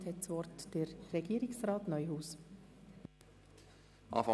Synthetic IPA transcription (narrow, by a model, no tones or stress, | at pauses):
thɛtsʋɔrtd̥əɾːɛɡ̥iːɾɪksɾɑːtnœʏɦuːs | ʔɑ̰ːfɑ